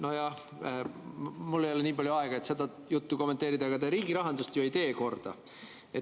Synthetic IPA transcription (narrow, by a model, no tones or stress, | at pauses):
no̞jɑh | mulːejo̞le̞niːpɑljuɑeɡ̥ɑe̞t̪se̞d̪ɑ | jut̪ːuko̞mːet̪ːˑe̞ːɾid̪ɑɡ̥ɑt̪eɾiːɡiɾɑɦɑnd̪̥ust̪jojt̪e̞ːko̞rd̪̥ɑ̰ | et̪